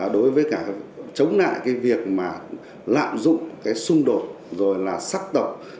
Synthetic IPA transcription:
ɗo˨˦jvəː˨˦jkaː˧˩t͡ɕə˨˦wŋ͡mna̰ː˧˨jkaː˨˦jvi˨˩ək̚maː˨˩ | la̰ː˧˨mzʊ̰˧˨ŋ͡mkaː˨˦jsʊ˧ŋ͡mɗo˨˩t̚ | zo˨˩jlaː˨˩saː˦˥k̚t̪ə˨˩k͡p̚

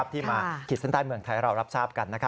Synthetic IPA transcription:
p̚t̪ʰiː˥˩maː˧kʰi˨˩t̪̚sa˦˥nt̪aː˧jmɯ˧əŋt̪ʰa˧jɾa˧wɾa˦˥p̚saː˥˩p̚ka˧nːa˦˥kʰa˦˥

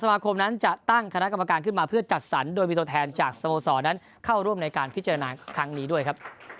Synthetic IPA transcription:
sa˧maː˧kʰo˧mna˦˥nt͡ɕa˨˩t̪a˥˩ŋkʰa˧na˦˥ʔka˧mːa˧kaː˧nkʰɯ˥˩nmaː˧pʰɯ˥˩ɐt͡ɕa˨˩t̪̚sa˩˦ndoː˧jmiː˧t̪u˧ət̪ʰɛː˧nt͡ɕaː˨˩k̚sa˧moː˧sɔː˩˦na˦˥n | kʰa˥˩wɾu˥˩əmna˧jkaː˧npʰi˦˥t͡ɕa˧ɾa˧naː˧kʰɾa˦˥ŋniː˦˥du˥˩əjkʰa˦˥p̚

